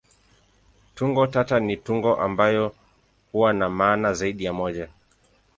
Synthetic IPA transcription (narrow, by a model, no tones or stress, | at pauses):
tuŋɡɔtatanituŋɡɔʔambajɔ | huwanamaːnazaiɗijamɔʄa